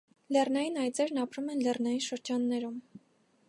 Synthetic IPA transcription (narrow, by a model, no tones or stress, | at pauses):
lɛrnɑjinɑjt͡sɛɾnɑpɾumɛnlɛrnɑjinʃəɾd͡ʒɑnːɛɾum